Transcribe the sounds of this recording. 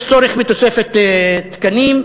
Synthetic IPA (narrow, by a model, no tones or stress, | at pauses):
t͡soɾeχmit̪osefet̪t̪kanim